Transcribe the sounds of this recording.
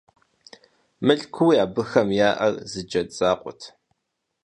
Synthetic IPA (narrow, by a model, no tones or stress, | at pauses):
mɨɬʼkʷʰuwjaːbɨxɐmjaːʔɐrzɨd͡ʒɐt͡sʼaːqʷʼʊ̰tʰ